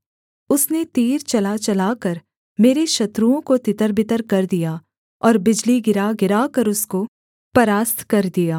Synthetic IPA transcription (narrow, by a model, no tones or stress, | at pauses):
ʊsnet̪iːɾt͡ʃɐlat͡ʃɐlaːkɐɾ | meːɾeʃɐt̪ɾuõkot̪ɪt̪əɾbɪt̪əɾkɐɾd̪ijaː | ɔːɾbɪd͡ʒliɡɪɾaɡɪɾaːkɐɾʊsko | pɐɾaːst̪ʰkɐɾd̪ijaː